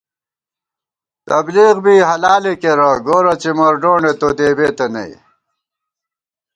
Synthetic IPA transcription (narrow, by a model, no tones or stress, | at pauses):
t̪ɐbliːɣbiːɦɐlaːlekeɾɐɡoːɾɐt͡ɕimɐɾɖoːɳet̪od̪eːbeːt̪ɐnɐ̰j